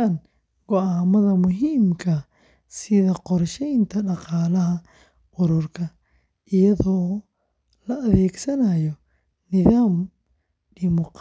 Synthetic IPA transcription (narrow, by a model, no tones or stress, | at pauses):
an | ɡ̥ɔaːmɐðɐmʊɦiːmkʰɐ | sɪðɐqɔrʃɛjnt̪ʰɐɖɑqɑːlɐɦɐ | ʔʊɾʊrkʰɐ | ʔɪjɐðɔː | lɐɐðɛːɡsɐnaːjɔ | nɪðaːm | ɖɪmʊq